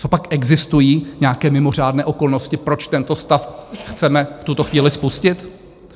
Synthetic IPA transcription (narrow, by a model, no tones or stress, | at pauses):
t͡so̞pakʔɛɡzɪst̪ujiːɲɛakɛːmɪmor̝aːdnɛːʔo̞ko̞lnoscɪpɾo̞t͡ʃt̪ɛnt̪o̞st̪afxt͡sɛmɛft̪ut̪oxviːlɪspuscɪt̪